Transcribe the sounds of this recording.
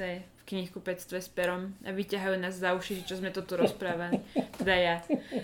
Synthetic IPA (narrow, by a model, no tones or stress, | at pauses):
ɛfkɲixkupɛt͡st̪ʋɛspɛɾɔma̰ʋicaɦajunaːzzauʃiʒɛt͡ʃɔzmɛt̪ɔt̪uɾɔspɾaːʋalit̪ɛd̪aja